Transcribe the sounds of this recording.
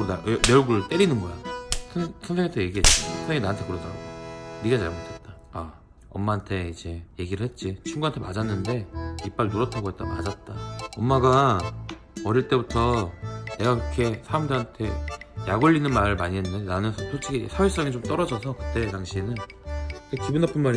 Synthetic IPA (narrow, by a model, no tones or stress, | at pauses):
nameɭɡuɾɯɭt͈e̞ɾinɯnbʌja̰sʰsʰʌŋsʰeŋɦatʰeje̞ɡiɦet͈asʰʌŋsʰeŋinaantʰe̞kɯɾʌdʰaa̰biɡat͡ɕaɭmotʰet̚t͈a | a | ʌ̰mːaːntʰe̞id͡ʑe̞je̞ɡiɾɯɭhe̞t̚t͡ɕ͈it͡ɕʰuŋɡuantʰema̰d͡ʑanːɯnde̞ip͈aɾinoɾʌtʰaɡoɦe̞t͈̚ama̰d͡ʑat̚t͈aʌmːaɡa | ʌɾiɭt͈e̞butʰʌne̞ɡakɾʌkʰe̞sʰajʌŋdeɦantʰe̞jaɡoʎːinɯnmaɾɯɭmaɲiɦenːɯndeenanɯsʰʌsʰot͡ɕ͈ʰiɡisʰawes͈ʌŋit͡ɕomt͈ʌɾʌd͡ʑʌsʰʌkɯ̥t͈e̞taŋɕʰinɯntekibunapʰɯnmaɾ